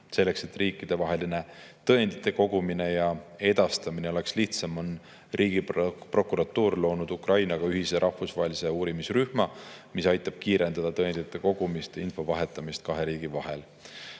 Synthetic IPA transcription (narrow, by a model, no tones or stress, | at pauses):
se̞lːe̞kse̞t̪riːkːˑid̪̥e̞vɑɦe̞line̞t̪ɤ̞end̪̥it̪ˑːe̞ko̞ɡumine̞jɑe̞d̪̥ɑst̪ɑmine̞o̞le̞ksliht̪sɑmon | riːɡipro̞kuɾɑt̪ːˑuːrlo̞ːnud̪ukrʔɑjnɑɡ̥ɑyɦiseɾʔɑhfusvɑɦe̞liseuːɾimisryhmɑmisɑjt̪ːˑɑb̥̚kiːɾe̞nd̪̥ɑd̪̥ɑt̪ɤend̪̥it̪ːˑe̞ko̞ɡ̥umist̪info̞vɑɦe̞t̪ːˑɑmist̪̚kɑɦe̞ɾiːɡ̥ivɑɦe̞l